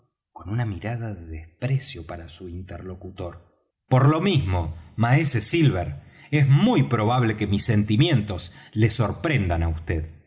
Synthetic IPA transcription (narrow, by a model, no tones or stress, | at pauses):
ko̞nunamiɾaðaðeðespɾesjo̞paɾasuint̪eɾlo̞kut̪oɾ | po̞ɾlo̞mizmomaesesilβeɾ | ezmujpɾo̞βaβle̞kemisːent̪imje̞nt̪o̞sle̞so̞ɾpɾend̪anaust̪eð